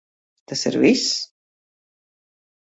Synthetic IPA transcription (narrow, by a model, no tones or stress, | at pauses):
t̪asḭɾvis